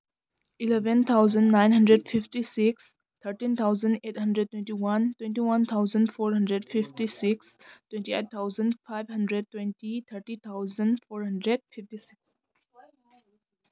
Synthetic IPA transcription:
ilɛʋə̃nt̪ʰaʊzə̃nnãɪ̃nɦə̃ndɾeɖfɪfʈisɪks | t̪ʰəɾʈĩnt̪ʰaʊzə̃neːʈhə̃ndɾəɖ̚ʈːwɛ̃nʈiwɐ̃ntwɛ̃nʈiwɐ̃nt̪ʰaʊzə̃nɖfoːɾɦə̃nɖɾeɖfɪfʈisɪkstwɛ̃nʈieʈ̚t̪ʰːaʊzə̃nɖfaɪbɦə̃nɖɾeɖ̚twɛ̃nʈit̪ʰəɾʈit̪ʰaʊzə̃nɖfoːɾɦə̃ɳɖɾeɖfʰɪfʈisɪks

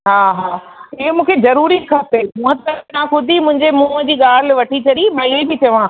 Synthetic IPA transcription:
ɦaːɦaːɪɦomũːkʰezɐɾuːɾikʰaːt̪emũːɦə̃t̪ɐɾnãkʊd̪ʱimʊ̃ɪ̃ɲd͡ʑemũːd͡ʑiːɠaːlʋɐʈʰit͡ɕʰɐɗimɐiẽbɪt͡ɕɐʋãː

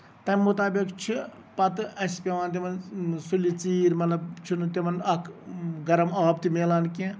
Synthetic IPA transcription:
t̪ɐnʲmut̪aːbikt͡ʃʰi | pɐt̪ɨɐspʲeʋaːnt̪̬emɐnsulit͡siːɾmɐt̪lɐbt͡ʃʰunt̪imɐnɐkʰɡɐɾɐmɑːb̚t̪imeːlaːnkẽ

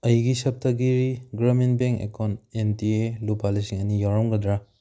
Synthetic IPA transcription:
ɐjɡisɐp̚tʰɐɡiɾiɡɾaminbeŋkḛkʰawnentielupalisiŋɐnijawɾɔmɡɐd̪ɾa

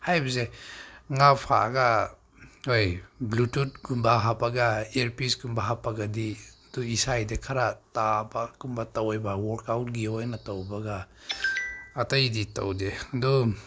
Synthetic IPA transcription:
hajbɐzeŋapʰa̰ɡa | ojblutut̚ɡumbaɦapaɡaeɾpisɡumbaɦapːaɡadiduisajdekʰaɾatabakumbatawjbawɔɾkawt̚ɡiojnatawbaɡa | tɐjdita̰wdedu

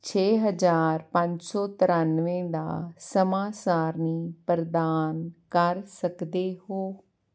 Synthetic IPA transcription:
t͡ʃʰeːɦəzaːɾpə̃ɲd͡ʒsɔːt̪ɪɾãːnʋẽːd̪a̰ːsəmaːsaːɾniːpɾəd̪aːnkəɾsəkd̪eːɦoː

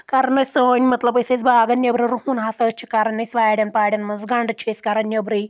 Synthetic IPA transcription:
kaɾɐnɐsəːnʲmɐt̪lɐbɐset͡sbaːɡɐnʲjɐbɾɐɾuhunɦasɐt͡ʃʰikaɾɐnːɐsʋaːjɽʲɐnpaːɽʲɐnmɐnzɡɐɳɖt͡ʃʰeskaɾɐnʲjɐbɾi

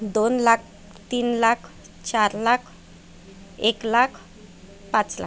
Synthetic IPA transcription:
d̪onlak̚ʰ | t̪iːnlakʰ | t͡ɕaɾlakʰ | eklakʰ | pãt͡sla̰

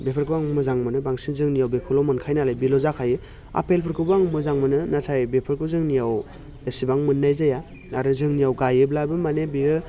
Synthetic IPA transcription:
bepʰɯɾkʰɯwaŋmɯzaŋmɯnɯbaŋsinzɯŋnijawbekʰɯlɔwmɯnkʰajnalajbilɔzakʰajɯ | a̰pʰelpʰɯɾkʰɯbaŋmɯzaŋmɯnɯnatʰajbepʰɯɾkʰɯzɯŋnijaw | esibaŋmɯnːajzaja | naɾɯzɯŋnijawɡajɯblabɯmanebiɯ

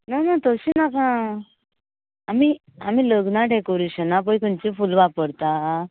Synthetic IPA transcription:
nanat̪əɕinakã | ami | amiːləɡnaʈekəɾuɕənapəjkunt͡ɕifulʋapəɽt̪a

